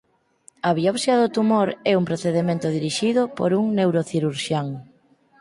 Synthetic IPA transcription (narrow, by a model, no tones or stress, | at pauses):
ɐβiɔpsjɐðot̪umoɾɛumpɾoθeðemẽnt̪ʊðiɾiʃiðʊpo̰ɾuŋnewɾoθiɾuɾʃjaŋ